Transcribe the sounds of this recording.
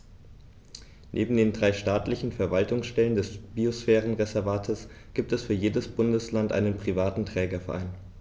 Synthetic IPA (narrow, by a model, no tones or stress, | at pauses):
nʔḛːbm̩deːndʁaɪʃtaːtlɪçn̩fɛɐvaltʊŋsʃtɛləndɛsb̥iosfɛːʁənʁezɛɐvaːtʰəs | ɡ̥iːp̚tɛsfyːɐjeːdəsb̥ʊndəslantʔa̰ɪnənpʁ̥ivaːtn̩tʁ̥ɛːɡɐfɛɐʔa̰ɪn